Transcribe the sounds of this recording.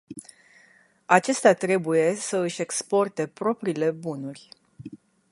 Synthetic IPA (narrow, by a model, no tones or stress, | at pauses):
at͡ʃe̞st̪at̪ɾe̞buje̞səɨʃʲe̞kspo̞rt̪e̞pɾo̞pɾile̞bunurʲ